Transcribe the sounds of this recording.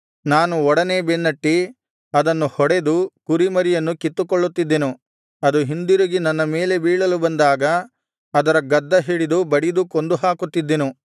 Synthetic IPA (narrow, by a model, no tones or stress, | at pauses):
naːnuɔɽɐneːbenːɐʈːi | ɐd̪ɐnːuhɔɽe̞d̪ukuɾimɐɾijɐnːukit̪ːukɔɭːut̪ːid̪ːenu | ɐd̪uɦind̪iɾuɡinɐnːɐmeːle̞biːɭɐlubɐnd̪aːɡɐː | d̪ɐɾɐɡɐd̪ːɐɦiːɭid̪ubɐɽid̪ukond̪uɦaːkut̪ːid̪ːenu